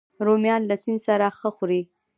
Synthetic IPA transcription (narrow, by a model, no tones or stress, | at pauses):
ɾomjɑnlasinsaɾaxəxuɾi